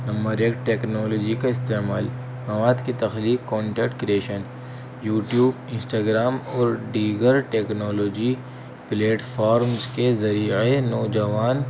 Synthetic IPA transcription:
nɐmbəɾeːkʈeːknɔːlɔːd͡ʒikaɪst̪eːmaːl | mɐʋaːd̪kit̪ɐxliːkːɔ̃ːɳʈɛːkʈkɾieːʃən | juːʈjuːbɪ̃nsʈaːɡɾaːmɔːɾɖiːɡəɾʈeːknɔːloːd͡ʒi | pleːʈfʰaːɾmzkezɐɾiːenɔːd͡ʒɐʋaːn

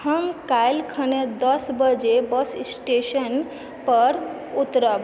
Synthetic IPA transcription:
həmkajlkʰəned̪əsbəd͡ʒebəssʈeʃən | pəɾ | ut̪ɾə

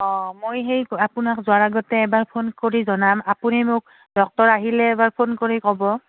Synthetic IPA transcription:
ɔ̃mojɦejapunakzʊaɹaɡɔtɛːbaɹpʰonkoɹizɔnamapunimʊk̚ | dɔk̚tɔɹaɦilɛːbaɹpʰonkoɹikɔbɔ

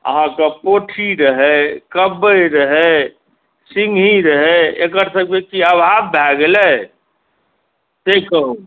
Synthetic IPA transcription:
ə̰ɦãkepoʈʰiɾəɦɛkəbːəjɾəɦɛ | siŋɦiɾəɦɛekəɾsə̃kmekiəbʱabbʱɛɡele | t̪ekəu

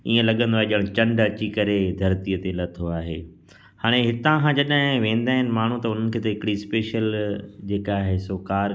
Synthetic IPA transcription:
iːẽlɐɠə̃nd̪oaːɦeʄɐɽ̃t͡ɕɐ̃ɳɖɐt͡ɕikɐɾed̪ʱɐɾt̪iət̪elɐt̪ʰoaːɦeː | haːɽ̃eɦɪt̪ãkʰãd͡ʑɐɗɦɪ̃ʋẽːn̆d̪aːɦɪnɪ̆maːɳ̤ũt̪ɐʊn̤ənɪ̆kʰeːt̪ɐɦɪkɪɽispeːʃəld͡ʑeːkaːɦesoːkaːɾ

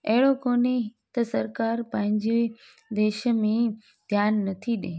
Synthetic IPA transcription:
ɐɦɪɽokoːnet̪ɐsɐɾkaːɾpɐ̃ɦɪ̃ɲd͡ʑe | d̪eːʃə̆mẽ | d̪ʱjaːnːɐt̪ʰiɗe

